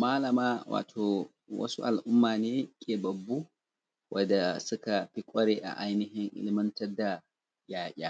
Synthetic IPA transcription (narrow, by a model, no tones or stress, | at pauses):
maːlɐmawa̰ːtʰɔ | wɐ̰sṵʔalʔʊmːaːnɛkʼɛbɐbːu | wʔɐdasukapikʼɔɾɛʔa̰ʔajniɦɪŋʔɪ̰lɪmɐntɐdːa | jaːʔʲa